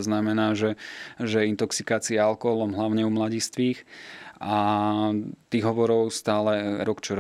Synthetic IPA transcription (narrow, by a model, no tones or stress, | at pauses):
znamɛnaːʒɛʒɛint̪ɔksikaːt͡siɛalkɔɦɔlɔmɦlaʊɲɛumlaɟist̪ʋiːxa | t̪iːɣɦɔʋɔɾɔʊst̪aːlɛɾɔkt͡ʃɔɾ